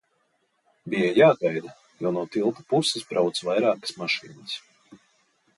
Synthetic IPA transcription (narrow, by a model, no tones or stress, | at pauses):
bijajaːɡajd̪a | jɔːnuɔt̪ilˠt̪u̥pusesbɾawt̪svajɾaːkə̥smaʃḭːnəs